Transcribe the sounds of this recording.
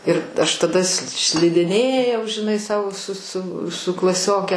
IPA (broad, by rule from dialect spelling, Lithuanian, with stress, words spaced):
ɪr ɐʃ tɐˈdɐ s ʃʲlʲɪdʲɪˈnʲeːjɛʊ ʒʲɪˈnɐɪ ˈsɐʊ sʊ sʊ sʊ klˠɐˈsʲoːkʲɛ